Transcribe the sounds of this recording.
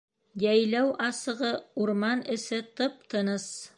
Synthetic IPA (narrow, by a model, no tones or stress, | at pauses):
jæjlæwʔɑsɤ̆ʁɤuɾmɑnɘ̆sɘt̪ɤp̚t̪ʰɤ̆nɤs